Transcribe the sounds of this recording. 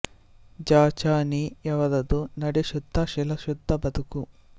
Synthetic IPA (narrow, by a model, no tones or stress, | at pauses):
d͡ʒaːt͡ʃaːnijɐʋɐd̪ɐd̪unɐɽiʃud̪ʱːɐʃilɐʃud̪ʱːɐbɐd̪uku